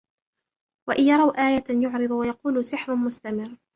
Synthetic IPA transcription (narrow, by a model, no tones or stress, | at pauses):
waʔɪjɑɾˤɑwʔaːjajʊʕɾɨd̪ˤwajɑquːlʊsɪħɾʊmʊst̪amɪrː